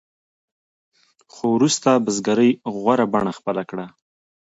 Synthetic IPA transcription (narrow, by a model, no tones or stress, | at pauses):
xowɾust̪abəzɡaɾəjɣwaɾabaɳaxpəlakɽa